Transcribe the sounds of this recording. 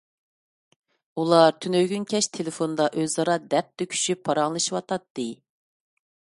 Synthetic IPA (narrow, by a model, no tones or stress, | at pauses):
ulˠɑɾt̪ʰynøɡʲynkʲʰɛʃt̪ʰelɪfond̪ɑʔøzɑɾɑd̪ɛp̚d̪ɛkʲʰy̥ʃypʰːɑɾɑŋlˠɨʃiwɑt̪ʰɑt̪ːɨ